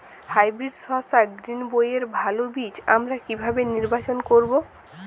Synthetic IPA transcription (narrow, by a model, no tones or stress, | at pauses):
hajbɾiɖsɔsaɡɾinbojeɾbʱalobit͡ɕa̰mɾakibʱabeniɾbat͡ɕonkoɾbo